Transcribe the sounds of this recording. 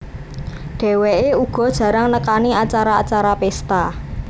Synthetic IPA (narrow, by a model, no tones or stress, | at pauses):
ɖ̥e̤weʔeuɡ̥ɔ̤d̥ʒ̥ä̤ɾaŋnəkaniat͡ʃaɾaːt͡ʃaɾapest̪a